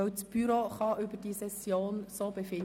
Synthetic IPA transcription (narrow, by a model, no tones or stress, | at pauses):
œwt͡sb̥yɾoχɑʔʏbəd̥isɛsjoːnsoːbɛfɪn